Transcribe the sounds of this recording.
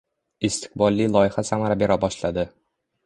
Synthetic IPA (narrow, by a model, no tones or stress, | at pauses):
ɪst̪ʰɪ̥q̚bɒlˠːɪlˠɒjɪhasamaɾabe̞ɾabɒʃlad̪ɪ